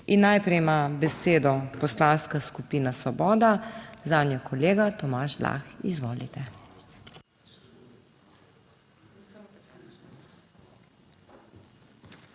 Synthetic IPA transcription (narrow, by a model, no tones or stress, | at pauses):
inːajpɾɛjmabɛseːd̪ɔpɔslaːnskaskupiːnasʋɔbɔːd̪azaːnjɔkɔleːɡat̪ɔmaːʃla̰xizʋoːlḭt̪ɛ